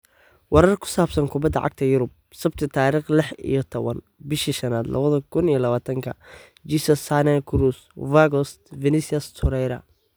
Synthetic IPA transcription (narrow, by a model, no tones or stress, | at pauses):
wɑɾɐrkʰʊ̥saːbsɐnkʰʊbɐd̪ːɐ̰ʕɑ̰ɡ̚t̪ʰɐjʊɾʊb̚ | sɐbt̪ʰɪt̪ʰaːɾiːχlɪħḭjɔt̪ʰɔβɐn | bɪʃiʃɐnaːd̪lʔɐ̰βɐðɐkʰʊnijɔlɐβaːt̪ʰɐŋkʰɐ̰ | d͡ʒisɐsanɐkʰʊɾus | vaɡɔst̪vɛnɪsɐst̪ʰhʊɾɛjɾɐ̰